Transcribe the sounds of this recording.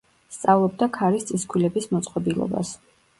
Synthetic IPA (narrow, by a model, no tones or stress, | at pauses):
st̪sʼavlˠɔbd̪akʰaɾist̪sʼiskʰwilɛbismɔt̪sʼqʼɔbilˠɔ̰ba̰s